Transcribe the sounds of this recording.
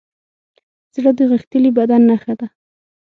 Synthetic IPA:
z̥ɽəd̪əɣəxt̪əlibad̪anːaxad̪a

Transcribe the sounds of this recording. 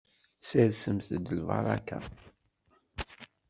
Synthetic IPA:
θəɾsəmθəd̪əlvɑ̰ɾˤɑ̰ka̰

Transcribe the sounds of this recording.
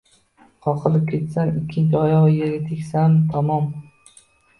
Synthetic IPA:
qʰɒqʰɨlˠɪp̚kʲʰe̞t̪sanɪkʲʰːɪnt͡ʃʰɪɒjɒʁjeɾɡʲat̪ʰekʲsant̪ʰɒmɒm

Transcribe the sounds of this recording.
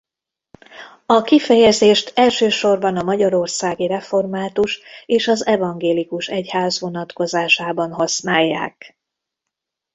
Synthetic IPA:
ɒkifɛjɛzeːʃt̪ɛlʃøːʃo̞rbɒnɒmɒɟɒɾo̞rsaːɡirɛfo̞rmaːt̪uʃeːʃɒzɛvɒŋɡeːlikuʃɛchaːzʋo̞nɒt̪ko̞zaːʃaːbɒnɦɒsnaːjːa̰ːk

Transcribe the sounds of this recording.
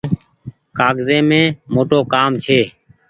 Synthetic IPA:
kaːɡzẽːmẽːmoːʈoːkaːmt͡ʃʰeː

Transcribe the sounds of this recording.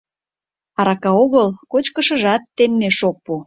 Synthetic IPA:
ɑɾɑkɑoɣəlkot͡ɕkəʃə̆ʒɑt̪ːemːeʃok̚pu

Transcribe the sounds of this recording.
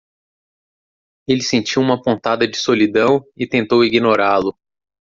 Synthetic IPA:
elɪsẽt͡ʃiwũmɐpõnt̪ad̪ɐd͡ʒɪsolid̪ɐ̃w̃ɪt̪ẽnt̪owiɡinoɾalʊ

